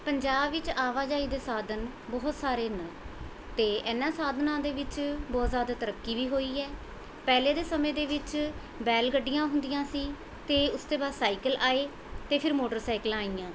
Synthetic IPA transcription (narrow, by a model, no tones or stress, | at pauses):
pəɲd͡ʒaːbʋɪt͡ʃaːʋaːd͡ʒaːiːd̪eːsaːd̪ən | bɔːt̪saːɾeːnə | t̪eːɛːnãːsaːd̪nãːd̪eːʋɪt͡ʃbɔːt̪zjaːd̪aːt̪əɾəkːiːʋiːɦoːiːɛː | pɛːleːd̪eːsəmẽːd̪eːʋɪt͡ʃ | bɛːlɡəɖːɪjãːɦʊ̃nd̪ɪjãːsiː | t̪eːʊst̪eːbaːd̪saːɪkəlaːeː | t̪eːpʰɪɾmoːʈəɾsaːɪkəlaːiːãː